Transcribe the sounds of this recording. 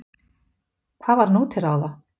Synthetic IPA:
kʰvaðvaɾnuːt̪ʰɪɾawða

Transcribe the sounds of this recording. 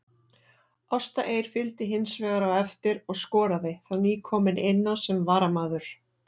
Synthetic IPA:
ɔst̪aʔeːjɾ̥fɪlt̪ɪɦɪnsvɛːɣaɾawɛft̪ɪɾɔɣskɔːɾaðɪθaniːkʰɔːmɪnɪnːansɛmvaːɾamaːðʏɾ̥

